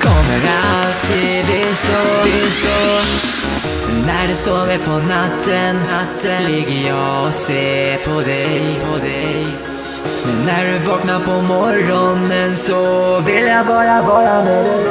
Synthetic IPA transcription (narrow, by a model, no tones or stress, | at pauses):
kʰɔmːəɾalt̪ʰi | vɪst̪oɪst̪o | ɛnːæɖɛsɔmɛpʰɔnat̪ʰːənat̪ːəlɪɡːəjɑɔseːpʰɔd̪ɛjpʰɔd̪ɛj | mɛnːæɖɵvɑːknaɾpʰɔmɔɾɔnənsɔvɪlːjabɑːɾavɑːɾamɛd̪ɛ